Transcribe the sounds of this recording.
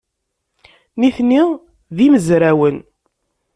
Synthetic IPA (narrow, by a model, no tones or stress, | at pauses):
niθni | ðiməzɾæwən